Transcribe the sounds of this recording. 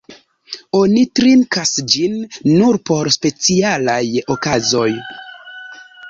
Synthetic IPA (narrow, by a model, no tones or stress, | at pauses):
o̞nitɾiŋkasd͡ʒinːuɾpo̞ɾspe̞t͡sialajokazo̞j